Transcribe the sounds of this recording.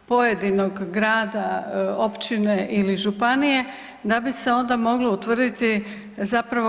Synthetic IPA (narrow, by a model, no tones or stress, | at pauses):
po̞je̞d̪ino̞ɡːɾaːd̪ao̞pt͡ɕine̞ʔiliʒupanije̞ | d̪abise̞o̞nd̪amo̞ɡlout̪ʋr̩d̪it̪i | zapɾaʋo